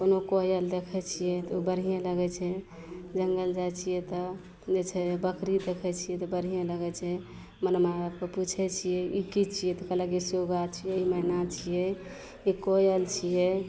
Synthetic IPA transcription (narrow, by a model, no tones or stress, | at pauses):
konokojəld̪ekʰɛt͡ʃʰijɛt̪ɔobəɾ̤ijẽləɡɛt͡ʃʰɛ | d͡ʒəŋɡəld͡ʒat͡ʃʰijɛt̪ɔ | d͡ʒet͡ʃʰɛbəkɾid̪ekʰɛt͡ʃʰijɛt̪ɔbəɽ̤ijẽləɡɛt͡ʃʰɛ | mənəmaabkeput͡ʃʰɛt͡ʃʰijɛikit͡ʃʰijɛt̪ɔkəlakisoɡat͡ʃʰijɛimənat͡ʃʰijɛ | ikojəlt͡ʃʰijɛ